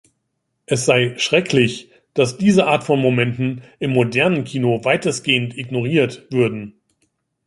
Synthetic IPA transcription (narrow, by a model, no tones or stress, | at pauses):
ʔɛs̬z̥aɪʃʁ̥ɛkʰlɪç | d̥asd̥iːzəʔaːɐtfɔnmomɛntn̩ɪmːodɛɐnənkʰiːnovaɪtəsɡ̥eːəntɪɡnoʁ̞iːɐtv̥ʏɐdn̩